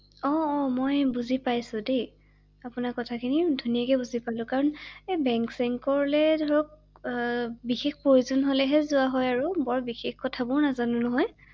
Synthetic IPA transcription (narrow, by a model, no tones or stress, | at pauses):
ɔmɔjbuzipajsʊ̃de | apʊnakɔtʰakʰinidʱunijakɛbuzipalʊ̃kaɹɔnebɛŋksɛŋkɔɹlɛdʱɔɹɔk̚ | bixexpɹojuzɔnɦolɛɦɛzʊaɦɔjaɹubɔɹbixexkɔtʰabʊɹnazanʊnɔɦɔj